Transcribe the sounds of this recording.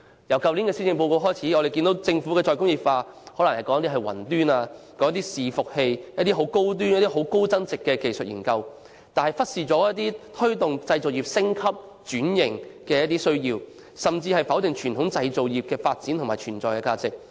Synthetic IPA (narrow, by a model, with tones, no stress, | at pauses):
jɐ˨˩wkɐ˨wli˨˥nkɛː˧siː˥t͡sɪ˨˧ŋpo˧wko˧wɦɔː˥jt͡sʰiː˨˥ŋɔː˨˧ɾe˨jki˧nt̪o˨˥wt͡sɪ˧ŋfuː˨˥kɛː˧t͡sɔː˧jkʊ˥ŋjiː˨˩faː˧hɔ˨˥lɐ˨˩ŋhɐ˨jkɔː˨˥ŋɐ˥t̪iː˥ɦɐ˨jwɐ̰˨˩nt̪yː˥naː˧kɔː˦˥ŋ˥ɐ˥t̪̬iː˥siː˨fʊ˨k̚he˧jjɐ˥t̚t̪i˥ɦo˨˥wko˥wt̪̬y˥njɐ˥t̪iː˥ɦo˨˥wko˥wt͡sɐ˥nt͡sɪ˨kːɛː˧ke˨jsɵ˨t̚jḭː˨˩nkɐ˧w | t̪aː˨nhɐ˨jfɐ˥t̚siː˨t͡sɔː˨˥jɐ˥t̚t̪iː˥t̪ʰɵ˥ɥt̪ʊ˨ŋt͡sɐ˧jt͡so˨˩wji˨p̚sɪ˥ŋkʰɐ˥p̚ | t͡ʃyː˨˥njɪ˨˩ŋkɛː˧jɐ˥t̪̬iː˥sɵ˥ɥjiː˧w | sɐ˨mt͡siː˧hɐ˨jfɐ˨˥wt̪ɪ˨ŋt͡ʃʰyː˨˩nt̪ʰʊ˨˥ŋt͡sɐ˧jt͡so˨wjiː˨p̚kɛː˧faː˧t̚t͡siː˨˥nt̪ʰʊ˨˩ŋmaː˨˩jt͡ʃʰyː˨˩nt͡sɔː˨jkɛː˧kaː˧t͡sɪ˨k̚